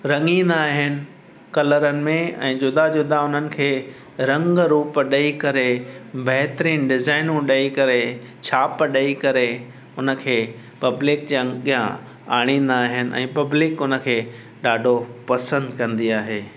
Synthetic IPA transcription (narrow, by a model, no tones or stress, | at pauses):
ɾɐ̃ŋĩːnd̪aːɦɪnɪ̆ | kɐləɾənɪ̆mẽɛ̰̃ːd͡ʑʊd̪ad͡ʑʊd̪ʱaʊn̤ənɪ̆kʰeː | ɾɐ̃ŋɡɾuːpɗɐikɐɾebɐɦɪt̪ɾĩːnɖɪzaːɪnũɗɐikɐɾe | t͡ɕʰaːpɗɐikɐɾe | ʊnə̆kʰeː | pɐblɪkd͡ʑãɠijã̰ | aːɽ̃ĩːn̆d̪aːɦɪnɪ̆ʔɛ̰̃ːpɐblɪkʊnə̆kʰeː | ɗaːɖʱopɐsə̃nd̪kɐ̃nd̪iaːɦeː